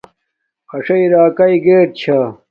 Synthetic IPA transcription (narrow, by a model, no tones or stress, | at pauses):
ɐʂɐiɾaːkɐiɡeːʈ̚t͡ɕʰa